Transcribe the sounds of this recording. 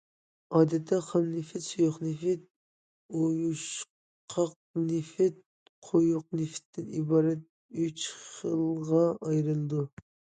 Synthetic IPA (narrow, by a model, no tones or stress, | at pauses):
ɑːd̪ɛt̪ʰːɛqʰɑmnɪfɪt̪sojʊχnɪfɪt̪̚ | ojuʃ | qʰɑq̚nɪfɪt̪̚ | qʰojʊq̚nɪfɪ̥t̪ʰːɪnibɑːɾɛt̪̚ | yt͡ʃχəlˠʁɑɑjɾɨlˠɨd̪u